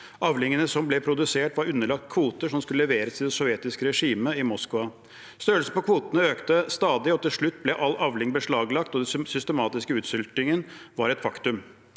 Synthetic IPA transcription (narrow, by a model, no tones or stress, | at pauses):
ʔɑʋlɪŋənəsɔmblɛpʰɾʊd̪ʉseːʈʋɑɾʉnːəɭɑk̚t̪̚kʰʋuːt̪əʂɔmskʉləlɛʋeːɾəsɪd̪ɛsɔʋjɛt̪ɪskəɾɛʂiːməɪmɔskɑ | st̪œːəlsəpɔkʰʋuːt̪ənəøːkt̪əst̪ɑːd̪ɪɔt̪ɪlʂɭʉt̪ːblɛʔɑlɑʋlɪŋbəʂɭɑːɡlɑkt̪ɔd̪ɛsʏst̪əmɑːt̪ɪskəʉːt̪sʏlt̪ɪŋənʋɑɾɛt̪fɑkt̪ʉm